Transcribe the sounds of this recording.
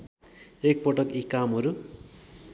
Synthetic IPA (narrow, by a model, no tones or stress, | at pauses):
ek̚pʌʈʌkikamɦʌɾu